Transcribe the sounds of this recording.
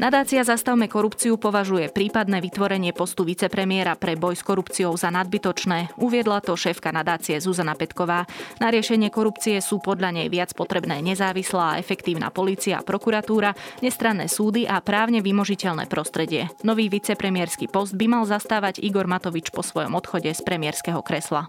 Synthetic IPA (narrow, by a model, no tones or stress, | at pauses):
nad̪aːt͡siazast̪aʊmɛkɔɾupt͡sijupɔʋaʒujɛpɾiːpad̪nɛːʋit̪ʋɔɾɛɲɪɛpɔst̪uʋit͡sɛpɾɛmɪɛɾapɾɛbɔjskɔɾupt͡sijɔʊzanad̪̚bit̪ɔt͡ʃnɛːuʋɪɛd̪lat̪ɔʃɛːfkanad̪aːt͡siɛzuzanapɛt̪kɔʋaːnaɾɪɛʃɛɲɪɛkɔɾupt͡siɛsuːpɔd̪ʎaɲɛjʋɪat͡spɔt̪ɾɛbnɛːɲɛzaːʋislaːaɛfɛkt̪iːʊna̰ːpɔliːt͡sia̰ːpɾɔkuɾat̪uːɾaɲɛst̪ɾanːɛ̰ːsuːd̪iʔapɾaːʊɲɛʋimɔʒicɛʎnɛ̰ːpɾɔst̪ɾɛɟɪɛnɔʋiːʋit͡sɛpɾɛmɪɛɾskiːpɔzd̪̚bimalzast̪aːʋaɟiɡɔɾmat̪ɔʋit͡ʃpɔsʋɔjɔ̰mɔt̪xɔɟɛspɾɛmɪɛɾskɛɦɔkɾɛsla